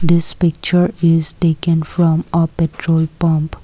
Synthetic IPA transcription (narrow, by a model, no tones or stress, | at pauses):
d̪ɪspɪk̚t͡ʃəɾɪzʈeːkə̃nfɾɔ̃məpɛʈɾoːlpɔ̃mp